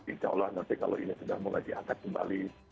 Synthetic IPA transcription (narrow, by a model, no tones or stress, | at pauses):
it͡ʃa̰ulanːant̪ika̰lo̰inisudahmula̰ɡiat̪ak̪̚kəmba̰li